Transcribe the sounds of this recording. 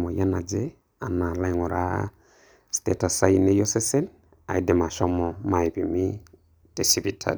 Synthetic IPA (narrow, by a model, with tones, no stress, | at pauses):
mɔ˨ja˦na˨d͡ʒe˦ | a˨na˨la˦jŋɔ˨ɾa˦ | ste˨ta˨sa˦ine˦jɔ˦sɛ˦sɛ˦l | a̰˨i˦dɛ˨ma˨ʃɔ˦mɔ˨ma˨e˨bi˨mi˦ | te˨si˦bi˦tʰa̰˨